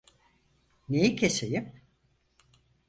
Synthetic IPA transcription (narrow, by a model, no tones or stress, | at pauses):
nejicʰesejim